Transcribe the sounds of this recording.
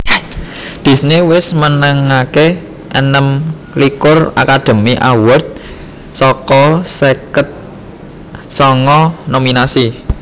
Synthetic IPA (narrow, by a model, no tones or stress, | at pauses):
d̪̥i̤snewɪsmənəŋake | ʔənəm | likʊra̰kad̪̥ə̤miʔa̰wərt̪̚ | sɔkɔsekət̪̚ | sɔŋɔnominasi